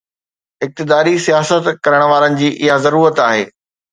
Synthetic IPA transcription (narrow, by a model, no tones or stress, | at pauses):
ɪk̚t̪ɪd̪aːɾisijaːsət̪kɐɾəɽ̃ʋaːɾənɪ̆d͡ʑiːʔɪɦazɐɾuːɾət̪aːɦeː